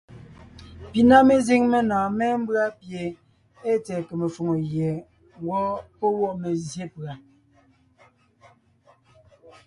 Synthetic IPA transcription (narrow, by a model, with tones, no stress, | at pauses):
pi˨na˦me˦zi˦ŋme˦naː˨mɛ˦m̩˦bɰa˦pje˨ | e˦t͡sɛː˨ke˨me˨fo˨ŋo˨jje˨˦ | wɔ˦po˦wɔ˦˨me˨zje˦pɰa˨